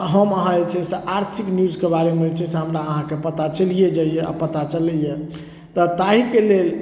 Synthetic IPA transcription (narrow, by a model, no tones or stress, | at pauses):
ɦəməɦãet͡ʃʰɛseʔaɾt̪ʰiknijud͡ʒkebaɾemet͡ʃʰɛseɦəmɾaəɦãkepət̪at͡ʃəlijed͡ʒaijea̰pət̪at͡ʃəlɛijɛ | t̪ɔt̪aɦikelel